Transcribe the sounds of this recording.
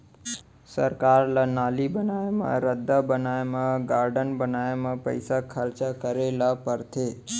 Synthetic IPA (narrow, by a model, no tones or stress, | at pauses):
səɾkaɾlanaːlibənajamã̰ɾəd̪ʱːabənajmãɡaːɾɖənbənajamãpə̰ɪsakʰəɾt͡ʃakəɾelapəɾt̪ʰe